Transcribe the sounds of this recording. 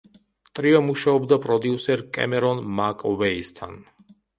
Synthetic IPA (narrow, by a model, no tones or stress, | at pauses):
t̪ʼɾiamuʃaɔbd̪apʼɾɔd̪iusɛɾkʼɛ̰mɛɾɔnmakʼɔvɛist̪ʰa̰n